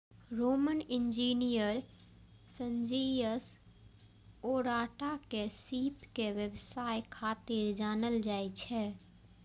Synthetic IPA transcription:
ɾoːmənɪ̃nd͡ʒiːnijəɾ | sənd͡ʒijəs | oːɾaːʈakesiːpkeʋəbsaːjkʰaːt̪ɪɾd͡ʒaːnəld͡ʒaːit͡ʃʰɛ

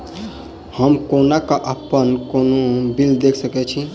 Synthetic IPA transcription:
həmkonakaʔəpːənkonobild̪ekʰsəkɛt͡ʃʰi

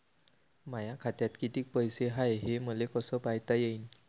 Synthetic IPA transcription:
majakʰat̪jat̪kit̪iːk̚pəjseɦajɦeməlekəsəpajt̪ajein

